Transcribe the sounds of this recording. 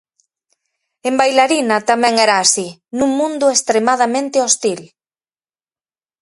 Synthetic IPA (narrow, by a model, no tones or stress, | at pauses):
embajlaɾinɐt̪amɛŋɛɾaːsinũŋmũnd̪ʊest̪ɾemaðamẽnt̪ɪost̪il